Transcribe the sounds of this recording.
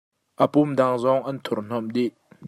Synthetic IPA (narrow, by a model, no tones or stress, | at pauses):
ʔəpumdaŋzɔŋʔɐnt̪ʰurn̥ɔmdiʔ̚